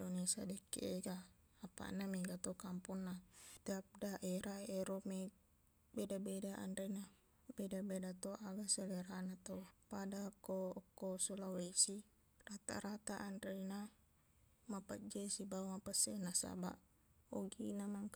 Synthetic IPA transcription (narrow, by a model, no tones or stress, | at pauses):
donesa̰dɛkːḛʔeɡaː | pa̰ʔnameɡat̪okampunːat̪eap̚daʔeɾaeɾome | bedabedaʔa̰ndena | bedabedat̪oʔaɡaseleɾanat̪opadakːokːosulawesi | rat̪a̰ɾat̪aʔanɾena | mapad͡ʒesibaumapasenasa̰ba̰ʔ | oɡinamaŋk